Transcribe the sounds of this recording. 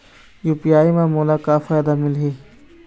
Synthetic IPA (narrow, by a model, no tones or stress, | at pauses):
juːpijaːimaːmuːlakafaːjd̪amɪlɦeː